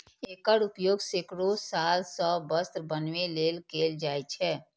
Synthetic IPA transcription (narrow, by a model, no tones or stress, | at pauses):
eːkəɾupjoːɡsekɾosaːlsə̃bəst̪ɾbənʋeleːlkeːld͡ʒaːɛt͡ʃʰɛː